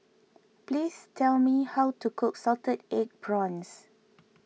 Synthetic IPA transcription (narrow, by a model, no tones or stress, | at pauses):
plistʰɛlmihawtukʰʊksɔltədek̚bɹɔ̃ns